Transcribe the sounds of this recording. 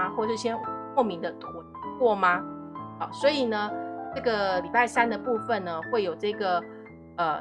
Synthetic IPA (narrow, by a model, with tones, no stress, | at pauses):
xwɔ˥˩ʂɻ̩˥˩ɕjɛ˥nxwɔ˥˩mi˧˥ŋd̪ə˧t̪ʰu˧˥ | kwɔ˥˩ma˦ɑ̰˨˩swɔ˧˥i˨˩nə˩ʈ͡ʂɤ˥˩ɡə˩li˨˩pa˥˩ɪsa˥nd̪ə˨pu˥˧fə˨nnə˩xwe˥˩ɪjo˨˩ʊʈ͡ʂɤ˥˩ɡə˩ | ə˩